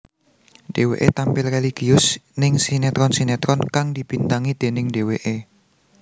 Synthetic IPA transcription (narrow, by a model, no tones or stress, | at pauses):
ɖ̥e̤wḛʔet̪ampɪlreliɡ̥iʊsnɪŋsinɛt̪ɾɔnsinɛt̪ɾɔnkaŋd̪̥ib̥int̪aŋid̪̥e̤nɪŋɖe̤weʔe